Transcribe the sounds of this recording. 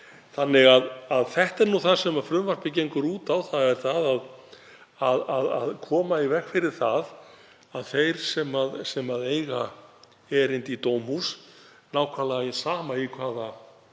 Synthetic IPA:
θanːɪɣaðaðθɛht̪ɛɾnuθaðsɛmafɾʏmvaspɪc̬ejŋkʏɾuːt̪awθaðɛɾ̥θaðað | aðaða̰ðkʰɔːmaivɛxfɪɾɪɾ̥θað | aðθejɾ̥sɛmaðsɛmaðeːjɣa | ɛɾejnt̪it̪oːwmhus | naːwkʰvalaɪsaːmaikʰvaːða

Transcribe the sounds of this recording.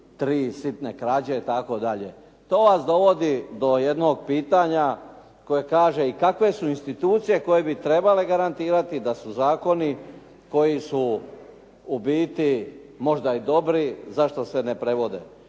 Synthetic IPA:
t̪ɾiːsit̪ne̞kɾaːd͡ʑe̞it̪ako̞d̪aʎe̞ | t̪o̞ːʋasd̪o̞ʋo̞d̪id̪o̞jed̪no̞ːɡ̚piːt̪aɲa | ko̞jekaːʒe̞ikakʋe̞suinst̪it̪uːt̪sije̞ko̞jebit̪ɾe̞bale̞ɡaɾant̪iːɾat̪id̪asuzaːko̞ni | ko̞jisu | ubiːt̪i | mo̞ʒd̪aid̪o̞bɾizaʃt̪o̞se̞ne̞pɾe̞ʋo̞d̪ḛ

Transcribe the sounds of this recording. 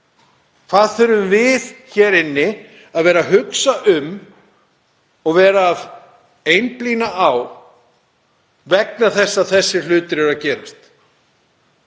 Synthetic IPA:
kʰθaːðθœɾvʏmvɪðçɛːɾɪnːɪ | aðvɛːɾaɦʏksaʔʏm | ɔɣvɛːɾaːð | ejnpliːnaʔaw | vɛk̚naθɛsːaθɛsːɪl̥ʏːt̪ʏɾɛɾaðcɛːɾast̪

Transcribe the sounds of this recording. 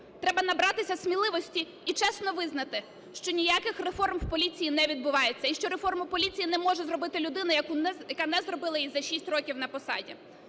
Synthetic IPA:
t̪ɾɛbɐnɐbɾɑt̪ɪsʲɐsʲmʲilˠɪʋɔsʲtʲi | it͡ʃɛsnɔʋɪznɐt̪ɪ | ʃt͡ʃɔnʲijakɪxrefɔrmwpɔlʲit͡sʲijinɛʋʲid̪̚bʊʋɑjet͡sʲːɐiʃt͡ʃɔɾefɔrmʊpɔlʲit͡sʲijinɛmɔʒɛzrɔbɪt̪ɪlʲʊd̪ɪnɐjɐkujɐkanɛzrɔbɪlˠɐjizɐʃisʲtʲrɔkʲiwnɐpɔsɑ̰dʲḭ

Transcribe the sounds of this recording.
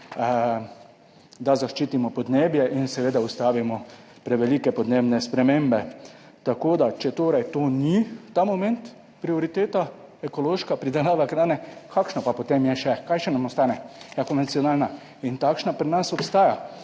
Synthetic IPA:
d̪azaʃt͡ʃiːt̪imɔpɔd̪neːbjɛʔinsɛʋeːd̪aust̪aːʋimɔ | pɾɛʋɛliːkɛpɔd̪neːbnɛspɾɛmeːmbɛ | t̪akoːd̪at͡ʃɛt̪oːɾajt̪oːnit̪amomɛ̃nt̪ | pɾioɾit̪eːt̪a | ɛkoloːʃkapɾid̪ɛlaːʋakɾaːnɛkʰakʃnapapot̪emjɛʃɛkajʃɛnamɔst̪aːnɛjakoɔnʋɛnsionaːlna | int̪akʃnapɾɛnasɔpst̪aːja

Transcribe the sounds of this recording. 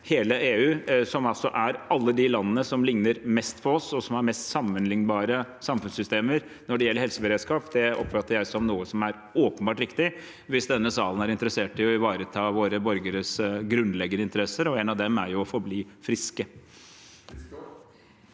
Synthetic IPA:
heːləeːʉːsɔmɑlsɔʔæɾʔɑlːəd̪ɪlɑnːənəsɔmlɪŋnəɾmɛst̪pʰɔɔsɔsɔmæɾmɛst̪sɑmːənlɪŋnbɑːɾəsɑmfʉnsʏst̪eːməɾ | nɔɖɛjɛlːəɾhɛlsəbəɾeːd̪skɑːpd̪ɛɔ̰pːfɑt̪ːəɾjæɪsɔmnuːəsɔmæɾ | oːpənbɑːʈɾɪkt̪ɪ | ʋɪsd̪ɛnːəsɑːlənæɾɪnt̪əɾəseːʈɪɔɪʋɑːɾət̪ʰɑːʋoːɾəbɔɾɡəɾəsɡɾʉnd̪lɛɡːənəɪnt̪əɾɛsːəɾɔɛnɑʋd̪ɛmæɾjʊɔfɔɾbliːfɾɪskə

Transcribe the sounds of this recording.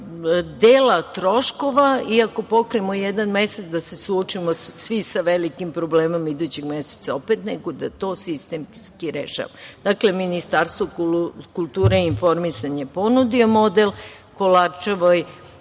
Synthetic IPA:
d̪eːlat̪ɾo̞ʃko̞ʋaiako̞po̞kɾeemojed̪anmeset̪sd̪ase̞suot͡ʃimosʋisaʋelikimpɾo̞bleːmo̞mid̪ut͡ɕeɡmese̥t̪sao̞pet̪neɡo̞d̪at̪o̞ːsist̪emskiɾḛʃa̰ʋad̪̥akle̞minist̪aɾst̪ʋokulˠt̪uːɾeinfo̞ɾmisaɲepo̞nud̪iomod̪el | kolat͡ʃaʋoj

